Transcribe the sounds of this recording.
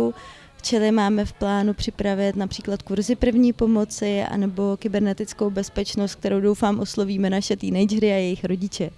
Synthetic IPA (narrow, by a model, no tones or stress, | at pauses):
u | ft͡ʃɛlɪmaːmɛfplaːnupr̝̥ɪpɾavɪt̪napr̝̥iːklat̪̚kuɾzɪpr̩vɲiːpo̞mo̞t͡sɪa̰nɛbo̞kɪbɛɾnɛt̪ɪt͡skowbɛspɛt͡ʃnost̪̚k̚t̪ɛɾo̞wdo̞wfaːmʔo̞slo̞viːmɛnaʃɛt̪iːnɛjd͡ʒɛɾɪajɛjɪxɾo̞ɟɪt͡ʃɛ